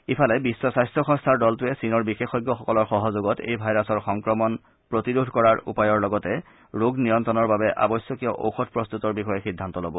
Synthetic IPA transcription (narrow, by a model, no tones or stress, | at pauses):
ipʰalɛbisːɔsajstɹɔxɔ̃ŋstʰaɹdɔltʊɛsinɔɹbixexɔjɡjɔxɔkɔlɔɹxɔɦɔzoɡɔtḛjbʱajɹasɔɹxɔŋkɹɔmɔn | pɹotidudʱkɔɹaɹṵpajɔɹlɔɡɔtɛ | ɹoɡnijɔntɔnɔɹbabɛʔa̰bɔjsjɔkijɔʔo̰wxɔtpɹɔst̪utɔɹbixɔjɛxidʱːantɔlobɔ